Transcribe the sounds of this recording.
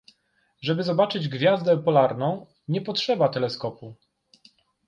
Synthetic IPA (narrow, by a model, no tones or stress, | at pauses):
ʐɛbɘzɔbat͡ʂɘd͡ʑɡvʲjazd̪ɛpɔlaɾnɔ̃w̃ | ɲɛpɔtʂɛbat̪ɛlɛskɔpu